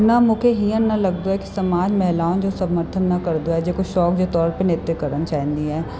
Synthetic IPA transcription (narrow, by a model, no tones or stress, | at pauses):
nɐmʊ̃kʰeɦiːənnɐləɡ̚d̪oɦɛːki̥səmaːd͡ʒmɛɦlaːnd͡ʒoːsəməɾt̪ʰənːɐkəɾd̪oɛːd͡ʒeːkoʃɔːkd͡ʒot̪ɔːɾpenɪt̪jəkəɾənt͡ʃaːɦĩnd̪iɦɛː